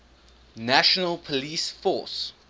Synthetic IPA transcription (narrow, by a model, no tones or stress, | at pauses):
naʃɔnəlpʰɔlisfɔˑs